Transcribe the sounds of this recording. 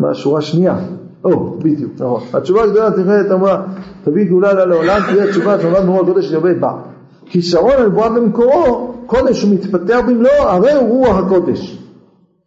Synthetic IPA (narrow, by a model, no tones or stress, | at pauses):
ma̰ʃuʁaʃnia | ʔobid̪juknaχo̞nat͡ʃuvaːɡd̪o̞lat̪iχelet̪amʁat̪aviɡulalaleolamt̪ideat͡ʃuvaʃeamad̪meʁuahako̞d̪eʃabeba̰ | kiʃaʁo̞nalbuabemeko̞ʁoko̞d̪e̞mʃumit̪pat̪e̞aχbimlo̞aʁe̞jʁuaχako̞d̪e̞ʃ